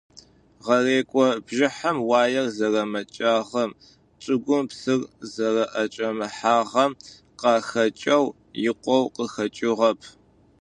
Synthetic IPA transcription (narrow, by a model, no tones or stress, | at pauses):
ʁɐreːkʷʼɔbʒɪħɐmwaːjɐrzɐrɐmɐt͡ʃʼaːʁɐm | t͡ʃʼɨɡʷʊmpsɨrzɐrɐʔɐt͡ʃʼɐmɨħaːʁɐm | qɑːxɐt͡ʃʼɐw | jɪqʷɔwqəxɐt͡ʃʼɪʁɐpʰ